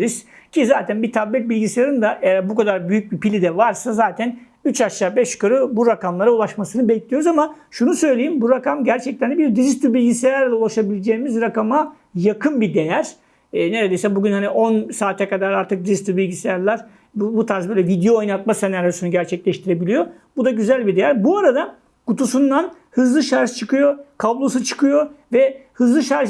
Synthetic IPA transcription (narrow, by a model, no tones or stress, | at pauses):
ɾiz̥cʰizaːt̪ʰænbit̪ʰablɛt̪̚bilʲɟisejaɾɯnd̪aʔɛjæɾbukʰad̪aɾbyjyc̚bipilʲid̪ɛvaɾsazaːt̪ʰæn | yt͡ʃaʃaːbɛʃkɯɾɯbuɾakamlˠaɾaulˠaʃmasɯnɯbɛclʲijo̞ɾuzama | ʃunusø̞jlʲe̞jimbuɾakamɟæɾt͡ʃʰɛc̚t̪ʰænd̪ɛbiɾd̪iɾist̪ubilʲɟisejæɾlʲɛulˠaʃabilʲed͡ʒeːmizɾakama | jakʰɯnbid̪e̞jæɾ̥ | ɛne̞ɾed̪e̞jsɛbuɟynhaniʔo̞nsaːt̪ʰɛkad̪aɾaɾt̪ʰɯk̚d̪iɾist̪ʲˠubilʲɟisejæɾlˠaɾ̥ | bbut̪ʰaɾzbøjlʲɛvid̪ejo̞ːjnat̪̚masenaɾjosunuɟæɾt͡ʃʰɛclʲɛʃt̪ʰiɾebilʲijo̞ | bud̪aɟyzælʲbid̪e̞jæɾbuaɾad̪a | kut̪ʰusund̪an | hɯzlˠɯʃaɾʒt͡ʃʰɯkɯjo̞kʰablˠo̞sɯt͡ʃʰɯ̥kʰɯjo̞vɛhɯzlˠɯʃaɾʒ